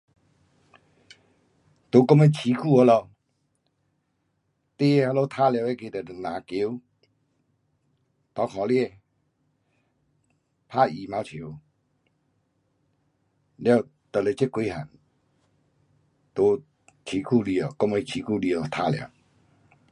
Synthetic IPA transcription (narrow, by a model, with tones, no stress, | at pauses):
t̪o˨˧˦kɔ˦˨ŋe˧˦t͡ɕʰi˧˦kʰu˥˧ɔ˧˦lɔ˧ | t̪e˦e˧a˧lo˧˦t̪ʰa˦˨lja˧˨e˦ke˧t̪ə˨˩nã˨ki˨˦ | t̪ɔ˧˦kʰɔ˨lje˧ | pʰa˦˧i˨ma˧˦wt͡ɕʰi˨˦ | lja˧˩˨ | t̪ə˨le˨˧˦t͡ɕe˦kwe˧˦ɦa̰˨n | t̪o˨˧˦ | t͡ɕʰi˨˧˦kʰu˧li˧˨ɔ˨kɔ˦˧ŋe˧t͡ɕʰi˨˧kʰu˥˧˨li˧ɔ˨t̪ʰa˦˧˨lja̰˧˨